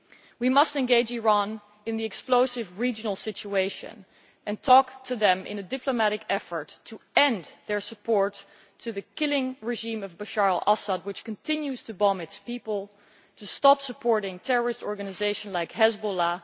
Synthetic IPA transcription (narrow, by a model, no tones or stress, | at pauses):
wimʌstɨ̃nɡeɪd͡ʒiɹɑ̃n | ɨ̃nðiɨksploʊsɨvɹid͡ʒɨnl̩ˠsɪt͡ʃueɪʃɨ̰̃n | ʔɨ̃ntʰɔktʰɨðɨ̃mʔɪ̰̃nɨdɪpʰlomæɾɨkɛfə˞tʰɨɛ̃nðə˞səpʰɔɹtʰ | ɨðɨkɪlˠɪ̃ŋɹɨʒĩmʌvbəʃɑɹl̩ˠʔasəd̚wɨt͡ʃkɨ̃n̩tʰɪ̃njʉz̥tʰɨbɑmɨtspipəl̩ˠ | tʰɨstɑpsəpʰɔɹɾɪ̃ŋtʰɛɹə˞ɨstɔɹɡɨnɨzeɪʃə̃nlaɪkhɛzbola